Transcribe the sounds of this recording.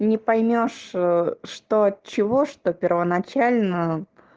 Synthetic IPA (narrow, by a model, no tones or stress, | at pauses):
nʲɪpɐjmʲo̞ʂ | ʂt̪ot͡ɕɪvoʂt̪opʲɪrvənɐt͡ɕælʲnəə